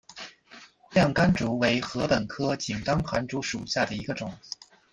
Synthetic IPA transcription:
ljɑ˥˩ŋka˥nʈ͡ʂu˧˥we˧˥ɪxɤ˧˥pə˨˩nkʰɤ˥t͡ɕi˨˩nk̪ɑ˥ŋxa˧˥nʈ͡ʂu˧˥ʂu˨˩ɕja˥˩d̪ə˩i˧˥ɡə˧ʈ͡ʂʊ˨˩˦ŋ

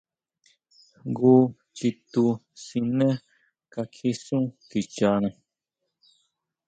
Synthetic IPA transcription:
ɡu˦ | t͡ʃi˧t̪u˧ | sĩ˧nẽ˦ | ka˧kʰi˧sũ˦k̪i˨t͡ʃa˧nẽ˧

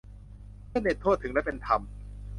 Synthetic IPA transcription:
mɯ˥˩ndeː˧˩nt̪ʰu˥˩t̪ʰːɯ˩˦ŋlɛ˦˥pe˧nt̪ʰa˧m

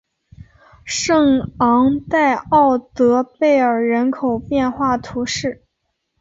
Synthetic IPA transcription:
ʂɤ˥˩ŋɑ˧˥ŋt̪a˥˧ɪɑ˥˩ʊt̪ɤ˧˥pe˥˩ɪə˞˨˩ɻə˧˥nkʰo˨˩ʊpjɛ˥˧nxwa˥˩t̪ʰu˧˥ʂɻ̩˥˩

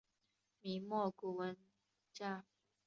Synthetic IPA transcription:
mi˨˦mɔ˥˨ku˨wə˨˦n | t͡ʃa˥˨

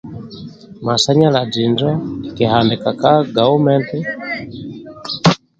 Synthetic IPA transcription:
ma˨sa˦ɲa˦la˨d͡ʒi˨nd͡ʒa˦ki˨ha˨ndi˨ka˨ka˦ɡa˨u˦mɛ˦nti˦

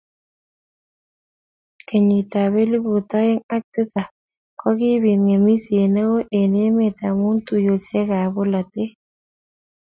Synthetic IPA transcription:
ke˨ɲi˨t̪a˨βe˦li˦bu˨t̪ɔ˦ɪ˦ŋa˦k̚tɪ˦sa˨ | kɔ˦ɡɪ˦bi˨nŋe˨mi˦sje˨ne˦wo˦ʔe˨ne˦me˨t̪a˨mu˦nt̪u˨jo˨se˦ɡa˨bo˦la˨t̪e˦

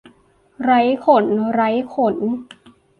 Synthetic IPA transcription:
ɾa˦˥jkʰo˨˦nɾa˦˥jkʰo˨˦n

